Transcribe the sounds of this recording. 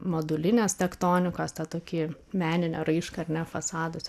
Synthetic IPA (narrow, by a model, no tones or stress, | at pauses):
mɐd̪ʊlʲɪnʲeːst̪ʲɛkt̪oːnʲɪkoːst̪ʲɐt̪oːkʲiːmʲæːnʲɪnʲɛɾɐɪʃkɐɐrnʲɛfɐsɑːd̪ʊsʲ